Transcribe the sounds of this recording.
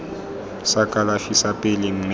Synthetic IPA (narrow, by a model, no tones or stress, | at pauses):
sakʼalafisapʼɪlɪŋ̩m